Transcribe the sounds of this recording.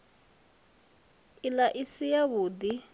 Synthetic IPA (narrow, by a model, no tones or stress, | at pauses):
ilaʔisijaβuːd̪i